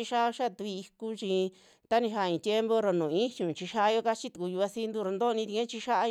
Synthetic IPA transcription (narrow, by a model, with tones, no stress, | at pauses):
i˧ʃa˦˧ʃa˦˨t̪u˧i˧i˧ku˦t͡ʃi˧ | t̪a˦nĩ˧ɦa˧˨ĩ˧˨˧t̪ʲje˦mbo˦ɾo˧nũ˨ĩ˦hũ˨t͡ʃi˧ʃa˦˧jo˦ka˦t͡ʃi˦t̪u˧ku˧ju˧a˧si˦nd̪u˦ɾo˧nd̪o˦˨˧nĩ˧t̪i˧ẽ˦t͡ʃi˧ʃa˦ʔa˧